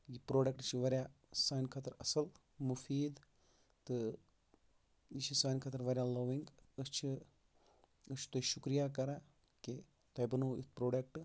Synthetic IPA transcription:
jipɾoːɖɐk̚ʈt͡ʃʰiʋɐɾʲjaː | saːnkʰaːt̪ɐɾɐsɐl | mufiːd̪ | t̪ɨ | it͡ʃʰisaːjnkʰaːt̪ɐɾʋɐɾjaːloʋiŋɡɨst͡ʃʰi | ɨst͡ʃʰi̥t̪oːiʃukɾijakɐɾa | ki | t̪ɐjbɐnuit̪ʰpɾoːɖɐk̚ʈ

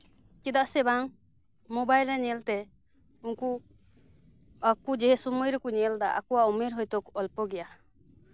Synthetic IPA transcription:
t͡ʃid̪aʔsɛbaŋ | mobajlɾɛɲɛlt̪ɛ | unku | akud͡ʒɛɦɛsumujɾɔkuɲɛld̪aʔa̰kuwaumeɾɦɔjt̪ɔkɔlpɔɡɛja

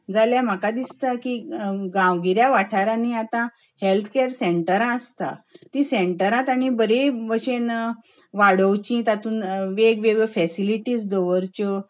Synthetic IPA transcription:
d͡zaljam̤əkad̪ist̪akiɡãwɡiɾjaʋaʈʰaɾaniat̪ã | helt̪ʰə̥keɾseɳʈəɾãəst̪a̰t̪ĩseɳʈəɾãt̪aɽ̃ibəɾeʋəɕen | ʋaɽəʋt͡ɕĩt̪at̪uːnʋeɡʋeɡfɛsiliʈiːsd̪ɔʋəɾt͡ɕɔ

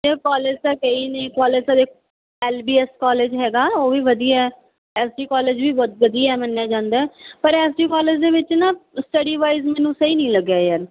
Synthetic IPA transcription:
d͡ʒekɔːleːd͡ʒsaːkəiːnẽːkɔːleːd͡ʒsad̪eːkʰ | ɛːlbiːɛskɔːleːd͡ʒɦɛːɡaːoːʋiːʋəd̪ijaɛː | ɛːsɖiːkɔːleːd͡ʒʋiːʋəd̪iaɛːmənːjaːd͡ʒãːnd̪aɛːpəɾɛːsɖiːkɔːleːd͡ʒd̪eːʋɪt͡ʃnaːsʈəɖiːʋaːizmɛːnũːsəiːnĩːləɡjaːjəɾ

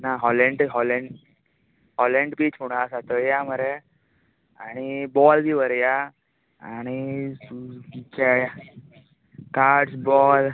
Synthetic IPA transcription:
naɦɔleɳɖɦɔleɳɖ | ɦɔleɳɖpiːt͡ɕfuɽ̃asat̪əjaməɾe | a̰ɽ̃ibɔld̪iʋəɾja | a̰ɽ̃i | kɛja | kaɾʈsbɔl

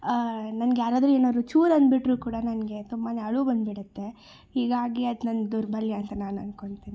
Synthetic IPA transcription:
nɐnɡejaːɾaːd̪ɾueːnaːd̪ɾut͡ʃuːɾɐnd̪biʈɾuːkuːɽɐnɐnɡe̞t̪umːaːneɐɭubɐnd̪biɽɐt̪ːe̞ | hiːɡaːɡiɐd̪nɐnɡd̪uɾbʱɐljɐɐnt̪ɐnaːnɐnko̞ɳɖt̪iːni

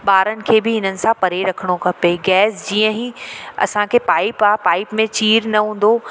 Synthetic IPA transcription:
ɓaːɾənɪ̆kʰeːbɪɦɪnənɪ̆sãpɐɾeɾɐkʰəɽ̃okɐpeɡɛːsd͡ʑiːə̃ɦiɐ̰sãkʰeːpaːɪpaːpaːɪpmẽt͡ɕiːɾnɐɦũːn̆d̪o

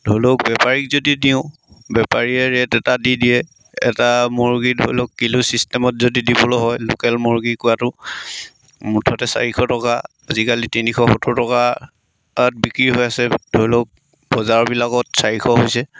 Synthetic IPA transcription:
dʱojlok̚bɛpaɹik̚zodidiʊ̃ | bɛpaɹiɛɹɛtɛtadidiɛ | ɛ̰tamoɹɡidʱo̰jlɔkːilusistɛmɔtzodidibɔloɦɔjlo̰kɛlmoɹɡikʊatʊ | mutʰɔtɛsa̰ɹikʰɔtɔka | azikalitinixʰɔxotʊtɔka | at̚bikɹiɦojasɛd̥ʱojlok̚ | bɔzaɹɔbilakɔtsaɹikʰɔɦojsɛ

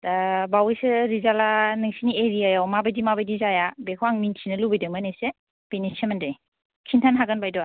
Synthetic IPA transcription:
tabawjsɯɾizalanɯŋsinieɾijajawmabajdimabajdizajabekʰɔaŋmintʰinɯlubajdɯmanese | penisemandaj | kʰintʰanɦaɡɯnbajdɔa

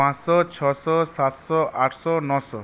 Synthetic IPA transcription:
ãsɔt͡ʃʰɔsɔsat̪sɔʔaʈʰsɔnɔsɔ̰

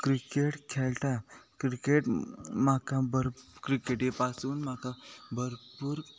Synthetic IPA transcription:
kɾikeʈkʰelt̪akɾikeʈmakabəɾkɾikeʈepasuːnmakabəɾpuːɾ

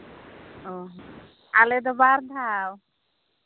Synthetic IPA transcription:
oɦ | aled̪ɔbaɾd̪ʱaw

